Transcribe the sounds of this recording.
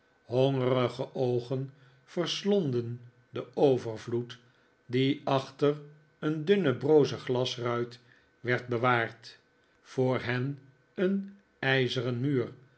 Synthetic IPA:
hoŋərəχəʔowχən | v̥ərslondən | dəʔowvəɹvlut | diɑχtər | əndʏnəbrowzəχlɑsrœɥt | ʋɛɹd̚bəʋaːɹt | foːɹɦɛn | ən | ɛjzərənmyːr

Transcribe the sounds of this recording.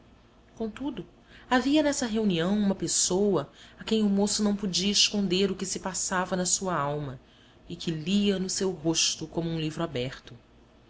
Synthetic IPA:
kõt̪ud̪ʊ | aviɐnɛsɐɦeuniɐ̃w̃ũmɐpesowɐakẽj̃ʊmosʊnɐ̃w̃pʊd͡ʒiɐɪʃkõnd̪eɾʊkɪsɪpasavɐnɐsuɐawmɐ | ɪkʰɪliɐnʊsewɦoʃt̪ʊkõmʊũlivɾʊabɛχt̪ʊ

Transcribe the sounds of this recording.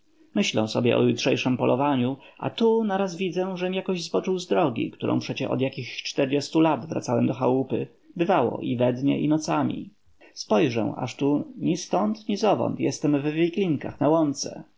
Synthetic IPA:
mɘɕlɛ̰w̃sɔbʲjɛʔɔ̰jutʂɛjʂɘmpɔlɔvaɲuʔa̰t̪unaɾazvʲid̪zɛw̃ʐɛmʲijakɔʑzbɔt͡ʂɘwzd̪ɾɔɡʲḭkt̪uɾʔɔ̰̃w̃pʂɛt͡ɕɛɔ̰d̪jakʲixt͡ʂt̪ɛɾd͡ʑɛst̪ulad̪vɾʔa̰t̪sawɛmd̪ɔxawupɘ̰ | bɘvawɔ̰ʔivɛd̪ɲɛ̰ʔinɔt̪samʲḭ | spɔjʐɛ̰w̃a̰ʂt̪uɲist̪ɔnt̪ɲizɔvɔ̰nt̪jɛst̪ɛmvvʲiklʲiŋka̰xnawɔnt̪sɛ̰

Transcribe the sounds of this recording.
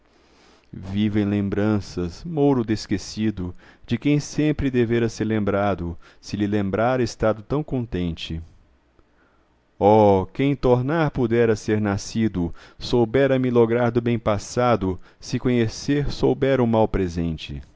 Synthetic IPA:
vivẽj̃lẽmbɾɐ̃sɐsmowɾʊd̪eskesid̪ʊd͡ʒɪkẽj̃sẽmpɾɪd̪eveɾɐseɾlẽmbɾad̪ʊ | sɪlɪlẽmbɾaɾɐest̪ad̪ʊt̪ɐ̃w̃kõnt̪ẽnt͡ʃɪ | ɔkẽj̃t̪oɾnaɾpud̪ɛɾɐseɾnasid̪ʊsowbɛɾɐmɪloɡɾaɾd̪ʊbẽj̃pasad̪ʊsɪkõɲeseɾsowbɛɾũmawpɾezẽnt͡ʃɪ̰

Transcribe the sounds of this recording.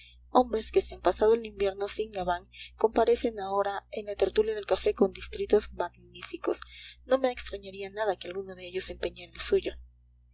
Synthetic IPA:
o̞mbɾe̞ske̞se̞ampasað̞o̞elimbje̞ɾno̞siŋɡaβaŋko̞mpaɾe̞se̞nao̞ɾae̞nlat̪e̞ɾt̪uljaðe̞lkafe̞ko̞nd̪ist̪ɾit̪o̞zmaɣnifiko̞sno̞me̞ːkst̪ɾaɲaɾianaðakealɣunoðe̞eʝo̞se̞mpeɲenelsuʝo̞

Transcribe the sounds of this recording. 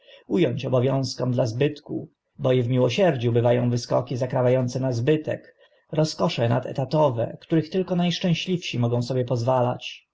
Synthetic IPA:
ujɔɲt͡ɕɔbɔvʲjɔ̃w̃skɔmd̪lazbɘt̪kṵ | bɔivmʲiwɔɕɛɾd͡ʑubɘvajɔ̃w̃vɘskɔkʲizakɾavʲajɔnt̪sɛnazbɘt̪ɛ̰k | ɾɔskɔʂɛnat̪ɛ̰t̪at̪ɔvɛ̰kt̪uɾɘxt̪ɘlkɔnajʂt͡ʂɛ̃w̃ɕlʲifɕimɔɡɔ̃w̃sɔbʲjɛpɔzvala̰t͡ɕ

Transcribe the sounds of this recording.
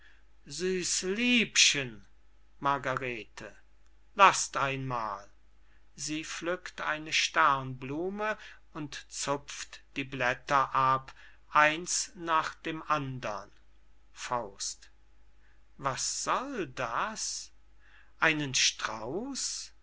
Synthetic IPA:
zyːslyːpʃən | maɐɡaʁeːtʰə | lastʔaɪnmaːl | ziːflʏktʔa̰ɪnəʃtɛʁnbluːmə | ʊntt͡sʊp͡ftd̥iːblɛtɐʔap | ʔaɪnsnaːχd̥eːmʔandɐ̰n | faʊst | vasz̥ɔldas | ʔaɪnənʃtʁ̥a̰ʊs

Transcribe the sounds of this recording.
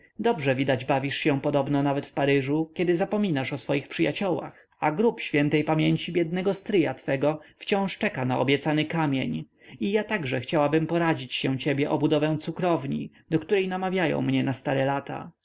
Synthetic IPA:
d̪ɔbʐɛvʲid̪ad͡ʑbavʲiʂɕɛ̃pɔd̪ɔbnɔnavɛt̪fpaɾɘʐukʲɛd̪ɘzapɔmʲinaʂɔsfɔjixpʂɨjat͡ɕɔwa̰x | aɡɾupɕfʲjɛnt̪ɛjpamʲjeɲt͡ɕibʲjɛd̪nɛɡɔst̪ɾɘjat̪fɛɡɔft͡ɕɔ̃w̃ʂt͡ʂɛkanaɔ̰bʲjɛt̪sanɘkamʲjeɲ | ijat̪aɡʐɛxt͡ɕawabɘmpɔɾad͡ʑit͡ɕɕɛ̃t͡ɕɛbʲjɛʔɔbud̪ɔvɛ̃w̃t̪sukɾɔvɲḭ | d̪ɔkt̪uɾɛjnamavʲjajɔ̰̃w̃mɲɛnast̪aɾɛlat̪a̰

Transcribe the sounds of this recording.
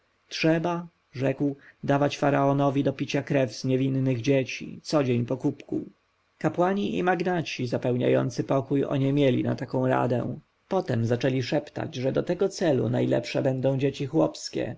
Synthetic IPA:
tʂɛba | ʐɛkwd̪avat͡ɕfaɾaɔnɔvʲid̪ɔpʲit͡ɕakɾɛvzɲevʲinːɘɣd͡ʑet͡ɕḭt̪sɔd͡ʑeɲpɔkupku | kapwaɲiʔḭmaɡnat͡ɕizapɛwɲa̰jɔ̰nt̪sɘpɔkujɔ̰ɲɛmʲjelʲḭna̰t̪akɔ̃w̃ɾa̰d̪ɛ̰̃ | pɔt̪ɛmzat͡ʂɛlʲiʂɛpt̪a̰d͡ʑʐɛd̪ɔt̪ɛɡɔt̪sɛlṵnajlɛ̰pʂɛbɛnd̪ɔ̃w̃d͡ʑet͡ɕixwɔpskʲɛ̰

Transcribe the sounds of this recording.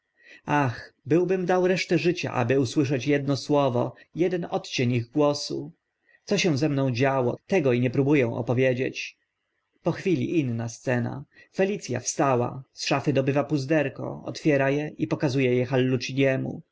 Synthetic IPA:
axbɘwbɘmd̪awɾɛʂt̪ɛʐɘt͡ɕa̰ʔa̰bɘuswɘʂɛt͡ɕjɛd̪nɔswɔvɔ̰ | jɛd̪ɛnɔt̪t͡ɕeɲiɣɡwɔsṵ | t̪sɔɕɛw̃zɛmnɔ̃w̃d͡ʑawɔt̪ɛɡɔiɲɛpɾubujɛ̃w̃ʔɔ̰pɔvʲjed͡ʑḛt͡ɕ | pɔxfʲilʲḭʔinːast̪sɛna̰ | fɛlʲit̪sʲja̰fst̪awa̰sʂafɘd̪ɔbɘvapuzd̪ɛɾkɔ̰ɔ̰t̪fʲjɛɾajɛipɔkazujɛjɛxalːut͡ʂiɲɛmṵ

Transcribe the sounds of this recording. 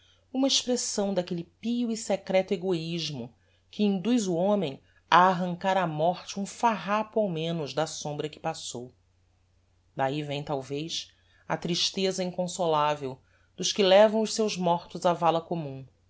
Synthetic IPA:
ũmɐeʃpɾesɐ̃w̃d̪akelɪpiʊisekɾɛt̪ʊeɡoiʒmʊ | kʰɪĩnd̪ujzʊõmẽj̃ | ɐːɦɐ̃ŋkaɾɐmɔχt͡ʃɪũfaɦapʊawmẽnʊzd̪ɐsõmbɾɐkɪ̥pasow | d̪aivẽj̃t̪awvejs | ɐt̪ɾiʃt̪ezɐĩŋkõsolavew | d̪̥ʊʃkɪlɛvɐ̃w̃ʊʃsewʒmɔχt̪ʊzavalɐkomũ

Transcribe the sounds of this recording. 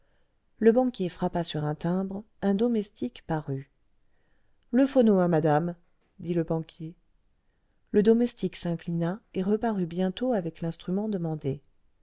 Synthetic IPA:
ləbɑ̃kʲjefχapasyʁɛ̃t̪ɛ̃bʁ | ɛ̃d̪ɔmɛst̪ʰikpaʁy | ləfonoamad̪am | d̪iləbɑ̃kʲje | ləd̪ɔmɛst̪iksɛ̃klinaeʁəpaʁybjɛ̃t̪oavɛklɛ̃st̪χymɑ̃d̪əmɑ̃d̪e

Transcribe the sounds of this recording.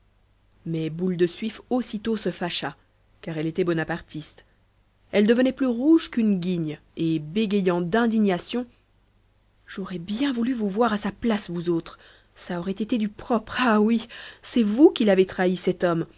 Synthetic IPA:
mɛbuld̪əsɥifosit̪osəfaʃa | kaʁɛlet̪ɛbɔnapaʁt̪ist̪ | ɛld̪əvənɛplyʁuʒkynɡʲiɲ | ebeɡʲejɑ̃d̪ɛ̃d̪iɲasjɔ̃ | ʒɔʁɛbjɛ̃vulyvuvwaʁasaplasvuzot̪χ | saɔʁɛt̪et̪ed̪ypχɔpχawisɛvukʲilavet̪χaisɛt̪ɔm

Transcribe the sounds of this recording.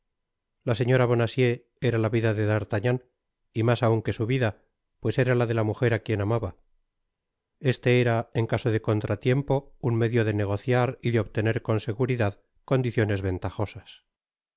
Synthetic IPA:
lase̞ɲo̞ɾaβ̞o̞nasje̞ | eɾalaβiðaðe̞ðaɾt̪aɲan | imasauŋke̞suβiða | pwe̞se̞ɾalaðe̞lamuxe̞ɾakje̞namaβa | e̞st̪eeɾae̞ŋkaso̞ðe̞ko̞nt̪ɾʔat̪je̞mpo̞unme̞ðjo̞ðe̞ne̞ɣ̞o̞θjaɾiðeo̞βt̪e̞ne̞ɾko̞nse̞ɣuɾiðað | ko̞nd̪iθjo̞ne̞zβe̞nt̪aχo̞sas

